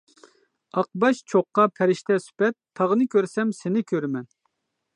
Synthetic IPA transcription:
ɑq̚bɑʃt͡ʃʰoqːɑpʰɛɾɪʃt̪ɛsy̥pɛt̪ʰːɑʁnɨkʲøɾsɛmsɪnɪkʲʰøɾmɛn

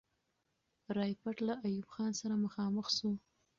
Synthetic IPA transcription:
ɾɑjpaʈlaʔajubxɑnsaɾaməxɑməxʃu

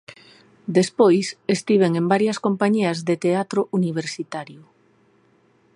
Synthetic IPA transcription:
d̪espojsest̪iβ̞eŋẽmbaɾjɐskompaɲiɐzðet̪eat̪ɾʊʔuniβ̞eɾsit̪aɾjʊ

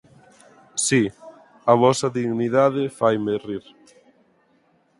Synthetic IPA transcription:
si | ɐβɔsɐðiɣniðaðɪfajmeriɾ

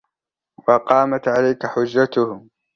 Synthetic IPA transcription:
wɑqɑːmat̪ʕalajkaħʊd͡ʒːat̪ʊh

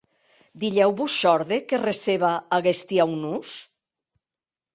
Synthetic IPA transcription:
d̪iʎɛwβusʃɔɾðekereseβaːɣest̪iawnus

